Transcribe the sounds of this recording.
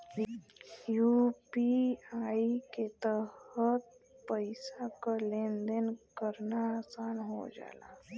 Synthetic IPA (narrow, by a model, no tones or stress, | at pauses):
juːpiaːiket̪əhət̪̚pəɪsakalẽːnd̪ənkəɾnaasaːnɦo̰d͡ʒa̰ːla̰